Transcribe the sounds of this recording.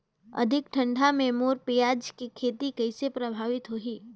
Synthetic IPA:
ɐ̰d̪ʱɪkʈʰə̃ɳɖʱamẽmoːɾpijaːd͡ʒkikʰeːt̪ikɐɪsepɾɐbʱaːʋɪt̪ɦoɦiː

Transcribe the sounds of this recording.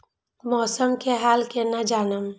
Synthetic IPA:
mɔːsəmkeɦaːlkenad͡ʒaːnəm

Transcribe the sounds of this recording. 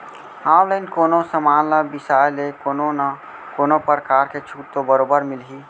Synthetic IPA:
ãlənkoːnosəmanləbisajlekononə | konopəɾkaːɾket͡ʃʰut̪obəɾoːbəɾmilɦi

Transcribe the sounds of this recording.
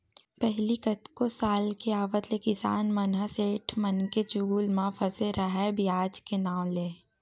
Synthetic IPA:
pɛɦlikɐt̪kosaːlkeaːʋət̪lekɪsa̰ːnmɐnɦəseːʈʰmɐnket͡ʃʊɡuːlmãːfəseɾʔəɦɛbʱijaːd͡ʒkenaːw̃leː

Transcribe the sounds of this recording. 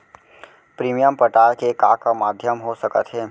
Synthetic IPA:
pɾiːmijəmpəʈaːɾkekaːkamaːd̪ʱjəmɦosəkət̪ɦɛː

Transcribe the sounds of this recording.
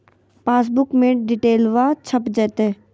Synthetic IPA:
paːs̬bʊkmẽːʈɖiʈeːlʋaːt͡ʃʰəpd͡ʒɛːt̪eː

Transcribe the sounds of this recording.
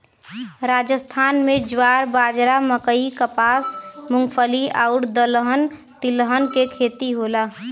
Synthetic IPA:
ɾad͡ʒəst̪ʰaːnmẽd͡ʒwaɾbaːd͡ʒɾaməkəikəpaːsmʊŋɡpʰəliaʊɾd̪ələɦən | t̪iləɦənkekʰet̪iɦola

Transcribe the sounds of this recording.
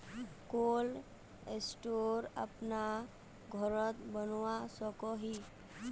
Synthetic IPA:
koːl | esʈoɾə̰pna | ɡʱɔɾət̪bənwasɔkɔɦi

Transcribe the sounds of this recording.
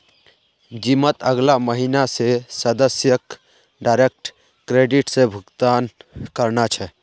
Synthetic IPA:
d͡ʒimət̪əɡlaməɦinasesəd̪əsjək | ɖaɾek̚ʈ | kɾeɖiʈsẽbʱukt̪ankəɾnat͡ʃʰɛ

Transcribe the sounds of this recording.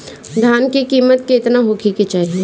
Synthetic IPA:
d̪ʱjaːnkikiːmət̪̚keɪt̪naɦokʰiket͡ʃaːɦie

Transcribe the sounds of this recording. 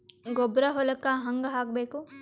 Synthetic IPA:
ɡobɾɐɦolɐkːaɦɐŋɡɐɦaːk̚beːku

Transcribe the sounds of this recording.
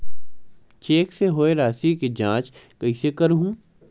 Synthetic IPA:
t͡ʃeːkseɦoːeɾaːsiked͡ʒãːt͡ʃkɐisekɐɾɦũː

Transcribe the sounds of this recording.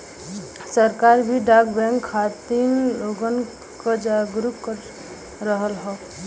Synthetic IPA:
səɾkaɾbʱiɖaɡbɛ̃ŋkʰːat̪inloɡən | kəd͡ʒaɡɾupkəɾ | ɾəɦəlɦɛ

